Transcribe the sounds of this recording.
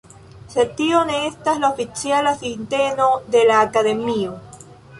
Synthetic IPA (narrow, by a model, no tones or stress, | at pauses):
set̪ioneest̪aeslaofit͡sjalasint̪enoðelaːkaðemio